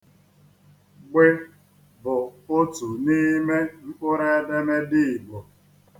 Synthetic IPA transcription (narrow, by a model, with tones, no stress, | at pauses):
ɡ͡be˦ | bʊ˨o˦tu˨ni˦me˦ŋ͡m̩˦k͡pʊ˦ɾe˦de˦me˦dɪ˦ɪ˨ɡ͡bo˨